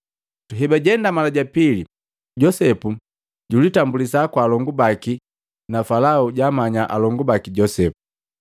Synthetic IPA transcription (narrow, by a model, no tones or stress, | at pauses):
tuɦɛbaɟɛndamalaɟapili | ɟɔsɛpu | ɟulitambulis̬akwaːlɔŋɡubaki | nafalauɟaːmaɲaʔalɔŋɡubakiɟɔsɛpu